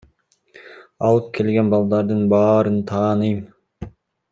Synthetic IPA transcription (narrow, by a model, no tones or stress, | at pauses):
ɑlˠɯp̚kʲʰe̞lɡʲenbɑlˠd̪ɑɾd̪ɯnbɑːɾɯnt̪ʰɑːnɯjm